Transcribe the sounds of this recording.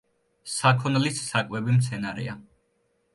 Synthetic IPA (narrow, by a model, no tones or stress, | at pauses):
sakʰɔnlisːakʼwɛbimt̪sʰɛnaɾɛ̰a